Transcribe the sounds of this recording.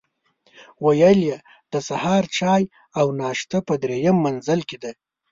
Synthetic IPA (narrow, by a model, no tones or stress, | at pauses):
wajəlje | d̪̥əsahɑːɾt͡ʃɑj | awnɑʃt̪apəd̪ɾejəmːanzəlked̪e